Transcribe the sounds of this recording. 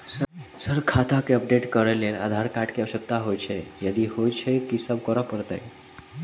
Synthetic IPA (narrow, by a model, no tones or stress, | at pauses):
səsəɾkʰat̪akeəp̚ɖeʈkəɾəlela̰d̪ʱaɾkaʈkeəʋʃək̚t̪aɦojt͡ʃʰejəd̪ihojt͡ʃʰekisəb̚kəɾəpəɾt̪ə̰j